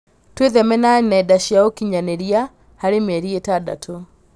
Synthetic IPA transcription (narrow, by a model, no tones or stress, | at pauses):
tweðɛmɛnanaɛdaʃiaokiɲanɛɾia | haɾemɛɾietada̰tʰɔ